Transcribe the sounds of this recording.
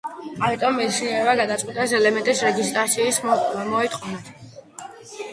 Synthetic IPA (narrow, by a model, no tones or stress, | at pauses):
amit̪ʼɔmːɛt͡ʃʰniɛbaɡad̪at̪sʼwit̪ʼɛs̬ɛlɛmɛnt̪ʼisɾɛɡist̪ʼɾat̪sʰiːsmɔit̪ʼqʼɔnat̪ʰ